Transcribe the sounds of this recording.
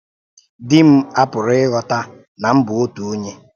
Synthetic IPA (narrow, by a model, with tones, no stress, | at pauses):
dɪ˦m̩˦a˦pʊ˨ɾɪ˦ɪ˦ɣɔ˨ta˦ | na˨m̩˦bʊ˨o˦tu˨o˦ɲe˦